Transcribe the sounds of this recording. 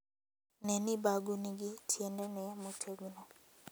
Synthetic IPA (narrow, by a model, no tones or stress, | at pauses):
nɛnibaɡuniɡitʰjɛndɛnɛmutʰeɡinɔ